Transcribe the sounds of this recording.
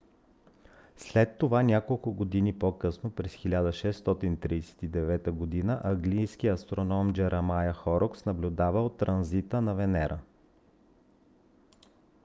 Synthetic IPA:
slɛt̪ːovanʲakolˠkʊɡod̪inipokɤsnopɾɛsxilʲad̪əʃɛsːt̪ɔt̪int̪ɾiːsɛ̥t̪id̪ɛvɛt̪əɡod̪inəʔɐɡlijskiɐst̪ɾonɔmd͡ʒɛɾʔɐmajəxɔɾʔoksnɐblʲud̪avəot̪ːɾɐnzit̪ənɐvɛnɛɾʔə

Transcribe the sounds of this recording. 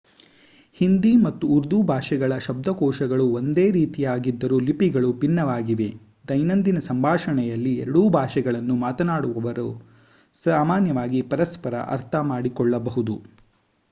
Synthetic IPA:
hind̪imɐt̪ːuːɾd̪ubʱaːʂɛɡɐɭɐʃɐb̚d̪ʱɐkɔːʂɐɡɐɭuond̪eːɾiːt̪ijaːɡid̪ːɐɾuːlipiɡɐɭupinːɐʋaːɡiʋe̞ | d̪ɐjnɐnd̪inɐsɐmbʱaːʂɐɳɛjɐlːiɛ̰ɾɐɽuːbʱaːʂɛɡɐɭɐnːumaːt̪ɐnaːɽuʋɐʋɐɾu | saːmaːnjɐʋaːɡipɐɾɐspɐɾɐ̰ʔɐ̰ɾt̪ʰɐmaːɽikɔɭːɐbɐɦud̪u

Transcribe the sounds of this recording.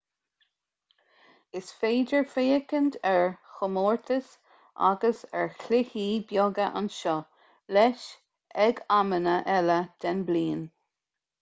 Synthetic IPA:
ɪsfeːdəɹfeːəkənd̪ɛɹxʊmoːɹt̪ʰəs | ʔa̰ɡəsɛɹklɪhiːbjɔɡəʔa̰nʃɔ | lɛʃ | ɛɡamənəʔɛləd̪̥ɛnbliːn

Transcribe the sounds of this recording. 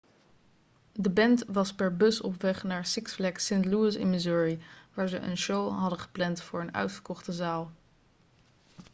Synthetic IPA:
dəbɛntʋɑspɛɹbɵsɔ̰pʋɛχnaːɹsɪksflɛksɪntluɪsɪ̰nmɪzuːɹiʋaːɹzə̰ʔə̰nʃowɦɑdəχə̥plɛntfʊːɹənœ̰ɥtfəɹkɔχtəzaːlˠ

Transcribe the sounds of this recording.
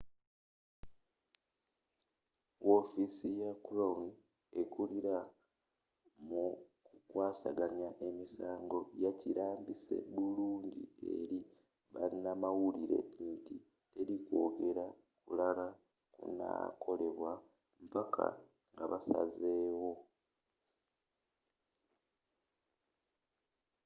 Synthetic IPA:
wofisijakuloun | e̞kuliɾa | mukukwaːsaɡaɲaʔe̞misaːŋɡo̞jaciɾaːmbise̞̰βuluːɲɟḭe̞̰ɾi | βa̰ɾinamawuliɾe̞̰itḭ | eɾikwo̞ːɡe̞ɾa | kulala | kṵna̰kʰo̞le̞βwa | mpakʰa̰ | ŋɡaβasa̰zeːwo̞

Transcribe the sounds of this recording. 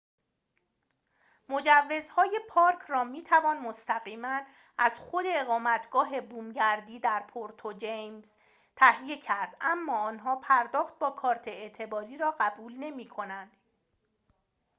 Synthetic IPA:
mo̞d͡ʒævːe̞zhɒːje̞pʰɒːɾkʰrɒːmiːt̪ʰævɒːnmost̪æɣiːmæn | ʔæz̥xod̪e̞ːɣɒːmæt̪ʰɡ̥ɒːɦe̞buːmɟæɾd̪iːd̪æɾpʰoɾt̪ʰod͡ʒejmz̥ | t̪ʰæhije̞cʰæɾd̪̥æmːɒːɒːnɦɒːpʰæɾd̪ɒːxt̪̚bɒːkʰɒːɾt̪ʰe̞et̪ʰe̞bɒːɾiːɾɒːɢæbuːlne̞miːkʰo̞nænd̪̥

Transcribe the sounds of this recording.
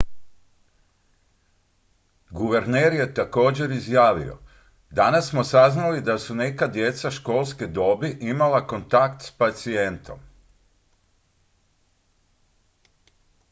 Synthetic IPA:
ɡuʋeɾneːɾje̞t̪ako̞ːd͡ʑe̞ɾizjaːʋḭo̰ | d̪anasːmo̞saznalid̪asune̞kad̪je̞t̪saʃko̞ːlˠsked̪o̞biʔimalako̞nt̪akt̪spat̪sie̞nt̪o̞̰m

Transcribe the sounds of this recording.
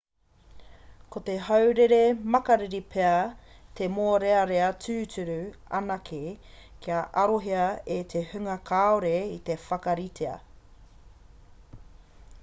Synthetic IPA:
kot̪eɦɐwɾeɾemɐkɐɾiɾipʰeɐ | t̪emoːɾeɐɾeɐt͡sʉːt͡sʉɾʉɐ̰nɐkʰe | kʰiɐʔɐɾoɦeɐet̪ʰehʉŋɐkʰaːoɾeit̪e̞fɐkɐɾitʰeɐ̰

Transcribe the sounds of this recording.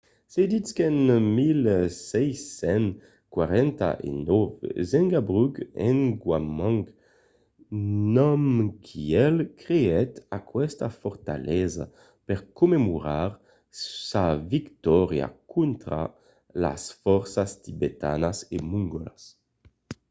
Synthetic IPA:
sed̪iskɛnmilsɛjsɛn | kwaʁɛnt̪a̰ʔḛnɔvzɛŋɡabʁyɡɛ̰ŋɡwamãŋk | nɔmkʰiɛlkʁeɛt̪akwɛst̪afɔʁt̪a̰lʔɛza̰ | pɛʁkumemuʁaʁ | savikt̪ɔʁja̰kũnt̪ʁa̰ | la̰sfɔʁsast̪ibet̪a̰nasemuŋɡɔlas

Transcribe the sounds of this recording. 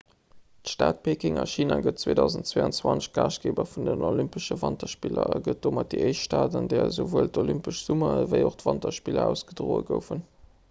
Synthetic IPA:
tʃtaːt̚pʰeːkɪŋɑʃiːnaːɡət̚t͡seːdɑʊzəntt͡sweɑnt͡swɑnt͡sɡ̥aːʃɡ̥eːbɐfundənolympəʃəvɑntɐʃpilɐ̰ɑɡət̚d̥oːmɑt̚diəɪʃʃtaːtəndɛːɐzovuəltolympəʃz̥umɐvəɪoχtvɑntɐʃpilɐ̰æʊsɡ̥ədʁoːəɡəʊfən

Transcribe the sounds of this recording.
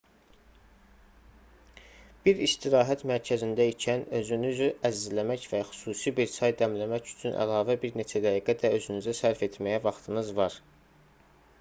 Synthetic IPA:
b̥iɾist̪ʰiɾɑːɦæt̪mæɾcʰæzind̪æicʰænø̞zynyzyæzizlæmæcvæxy̥suːsibiɾsʰɑjd̪æmlæmæcy̥t͡ʃʰynʔæ̰lɑːvæbiɾne̞t͡ʃʰæd̪æiɡæd̪æø̞zynyzæsæɾfe̞t̪ʰmæjævɑχt̪ʰɯnɯzvɑɾ

